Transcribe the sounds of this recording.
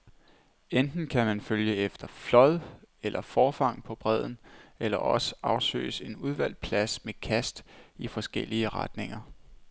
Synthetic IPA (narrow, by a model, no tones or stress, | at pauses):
end̥n̩kʰæmænføljəefd̥ɐflɒ̽ðˠelʔɐfɒːfɑ̈ŋ̰pʰɒ̽b̥ʁɛð̞̰ˠn̩elɐʔɒ̽səɑ̈ʊsø̰ːse̝nuð̞ˠʋæl̰pʰlæsmekʰæsd̥ifɒ̽sɡ̥el̰iəʁɑd̥ne̝ŋɐ